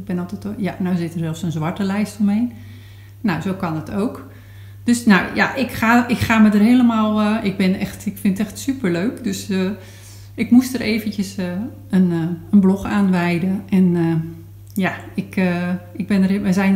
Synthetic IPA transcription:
ɡ̚bɛnɔlˠtɛtjanawzɪtəɹzɛlˠfsonzʋɑɹtəlɛjstomejn | nawzowkɑnətʰowk | d̥øsnawja̰ʔɪkxaːɪkxaːmədərɦeələmaːlˠəɪɡ̚bɪnɛxtɪkfɪnətɛxtsypəɹløːkdøsə | ɪkmustərʔeːvəntjəsə | ənənblɔxaːnʋɛjdəʔɛnə | jaɪkəɪɡ̚bɪnərʋɛzɛjn

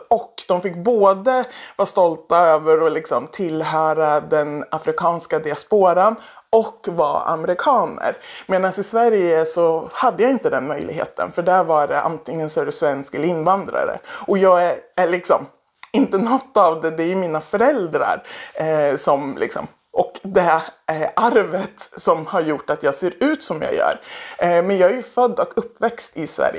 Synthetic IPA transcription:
ɔkːd̪̥ɔmfɪkːboːd̪əvɑːst̪ɔlt̪aøːvəɾɔlɪksɔmt̪ʰɪlːɦœːɾad̪ɛnafɾɪkʰɑːnskad̪ɪaspoːɾanɔkːvɑ̰ːa̰mɛɾɪkʰɑːnə̰ɾmeːnansɪsvæɾjəsɔhad̪ːəjaːɪnt̪əd̪ɛnmœjlɪɡɦḛːt̪ʰə̰nfœɖæɾvaɖɛʔa̰nt̪ʰɪŋːənsɔæd̪ɵsvɛnskɛləɪnːvand̪ɾa̰ɾə̰ʔɔjɑːɡææɭɪksɔ̰m | ɪnt̪ənɔt̪ːavd̪ɛd̪ɛæɾjɵmiːnafœɾɛld̪ɾa̰ɾ | sɔmlɪ̰ksɔ̰m | ʔɔkd̪ɛʔaɾvət̪sɔmhaɾjʊʈːat̪jɑːɡseːɾʉ̟ːt̪sɔmjɑ̰ːjœ̰ːɾmɛnjɑːɡæɾjɵfœd̪ːɔkɵpːvɛkst̪ɪsvæ̰ɾjə

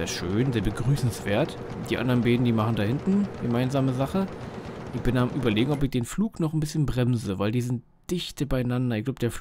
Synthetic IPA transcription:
zeːɐʃøːnzeːɐbəɡʁyːsn̩sv̥eːɐt | d̥iːʔa̰ndɐʁənbeːdn̩diːmaχn̩daːhɪntn̩ɡəmaɪnzaːməzaχəʔɪçb̥ɪnamʔyːbɐleːɡŋ̩ɔpɪçd̥eːnfluːknɔχn̩bɪsçənbʁɛmzəvaɪldiːzɪnt̚ | d̥ɪçtəbaɪnandɐɪçɡ̥laʊb̥̚ə̥d̥eːɐf

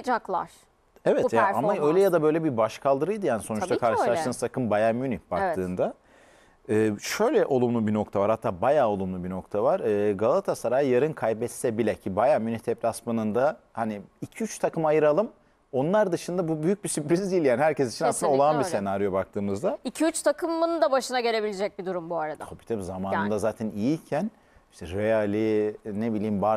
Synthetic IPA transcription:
d͡ʒaklˠa̰ɾ | ɛvɛt̪ʰjaamaø̞jlʲɛjad̪abø̞jlʲɛbibaʃkʰalˠd̪ɯɾɯjd̪ɯjaːniso̞nut͡ʃtt̪akʰaɾʃɯlˠaʃt̪ɯːt̪ʰakɯmbajaːmynib̥ak̚t̪ʰɯːnd̪a | ɯːʃø̞jlʲɛʔo̞lˠumlˠubino̞kt̪ʰavaɾhat̪ʰːaːbajaːo̞lˠumlˠubino̞kt̪ʰavaɾɯːɡalˠat̪ʰasaɾaːjɯjaɾɯnkʰajbɛt̪sɛbilʲɛcʰibajaːmynit̪ʰɛplʲasmanɯnd̪ahaniːcʰiyt͡ʃt̪ʰakɯmajɯɾalˠɯm | o̞nlˠaɾd̪ɯʃɯnd̪abubyjyc̚bisypɾizd̪ijilʲjaːniɦæɾcesit͡ʃʰinasɯnd̪aolˠanbise̞naɾijobak̚t̪ʰɯːmɯzd̪aicʰiyt͡ʃt̪ʰakʰɯmːɯnd̪abaʃɯnaɟe̞lʲebilʲed͡ʒɛc̚bid̪uɾumbuaɾad̪aobi̥t̪ʰɛpzamaːnɯnd̪azaːt̪ʰɛnijicʰæn | iʃt̪ɛɾealʲinebilʲiːmbaɾ

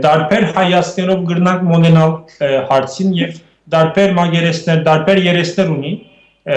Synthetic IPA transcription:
d̪ɑɾpʰɛɾhɑjɑst̪nɛɾɔvɡəɾnɑŋkʰmɔnɛnɑlhɑɾt͡sʰinjɛv | d̪ɑɾpʰɛɾmɑɡɛɾɛsnɛɾd̪ɑɾpʰɛɾjɛɾɛsnɛɾuni

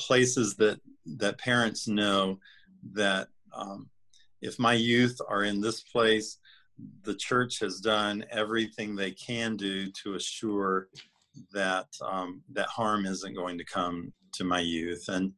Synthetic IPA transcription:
pʰl̥eɪsɨzðɨt̪̚ðɨt̚pʰɛɹɨ̃ntsnoʊ | ðɨɾ | ʔɨfmaɪjʉθə˞ɨ̃nðɪspʰl̥eɪs | ðɨt͡ʃʰɜ˞t͡ʃhɨzdʌ̃nɛvɹiθɪ̃ŋðeɪkʰɨ̃ndʉɾɨːʃʊɹ | ðɨt̚ðɨt̚hɑɹmɪzɨ̃nɡ̥oʊɪ̃ŋtʰɨkʰʌ̃mtʰɨmaɪjʉθɨ̃n

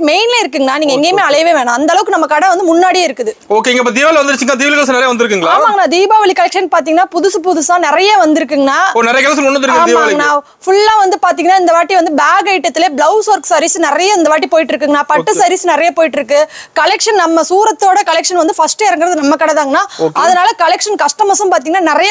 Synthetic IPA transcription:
meɪnlɐɪɾɯkːɯŋɡɐnaːniːŋɡɐɛŋɡeːmeːɐlɐjʋeːʋeːnãɐnd̪ɐlɐʋɯkːɯnɐmːɐkɐɽɐʋɐnd̪ɯmʊnːaːɽijaːɪɾɯkːɯðɯoːkːeːɪŋɡɐpːoːd̪iʋaːlɐʋɐnd̪ɯɾɯt͡ʃːɯŋɡɐnat̪iːʋɪlɣɐɭsɯnɛɾɐjɐʋɐnd̪ɪɾɯkːɯŋɡɐɭaaːmaŋɡɐnaːd̪iːbaːʋɐɭikɐlɛkʂɐnpaːɾt̪iːŋɡɐnːaːpʊðʊsɯpʊðʊsãːnɪɾɐjaʋɐnd̪ɪɾɯkːɯŋɡɐnaːpoːnɛɾɐjɐkɛls̬ɐʊnːɐnd̪ɪɾɯkkɡɐːd̪ialŋɡɐnaː | fʊɭːãːʋɐnd̪ɯpaːɾt̪̬ːiːŋɡɐnaːɪnd̪ɐʋaːʈːiʋɐnd̪ɯbaːɣɐɪʈːɐt̪ːɪleːblɐʊsɐɾksɐɾisnɪɾɐjɐɪnd̪ɐʋaːʈːipoːjɪʈːɪɾɯkːɯŋɡɐnːaːpɐʈːɯsɐɾisnɪɾɐjɐpoːjɪʈːɪɾɯkːɯkɐlɛkʂɐnnɐmːɐsuːɾɐt̪ːoːɽɐkɐlɛkʂɐnʋɐnd̪ɯfɐsʈɐɪɾɯŋɡɪɾɐðɯnɐmːɐkɐɽɐðaːŋɡɐnːaːɐðɐnaːlɐkɐlɛkʂɐnkɐʂʈɐmɐsɐmpaːɾt̪iːŋɡɐnːaːnɪɾɐjɐ

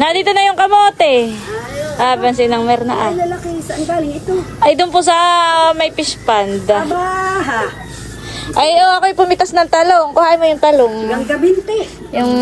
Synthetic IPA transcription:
nɐd̪iːt̪onɐjʊŋkɐmoːt̪ɛ | ʔabɐns̬ɛnɐŋmɛɾnɐʔalɐlɐkɛsɐʔɐnbaːlɪŋɪt̪oʔɐjd̪ʊnpʊs̬ɐmɐjpɪspand̪baɦa | ʔɐjoʔɐkojpʊmɪt̪asnɐŋt̪ɐloŋkʊhaːʔɪmojʊŋt̪ɐloŋɐŋɡɐbɪnt̪ɛ | jʊŋ

